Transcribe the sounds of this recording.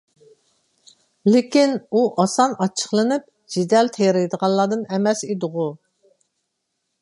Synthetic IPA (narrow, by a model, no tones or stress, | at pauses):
lɪkʲinuʔɑsɑnɑt͡ʃʰə̥χlˠɨnɨp̚ | d͡ʒid̪ɛlt̪ʰejɾed̪əʁɑnlˠɑːd̪ɨnɛmɛsid̪ɨʁu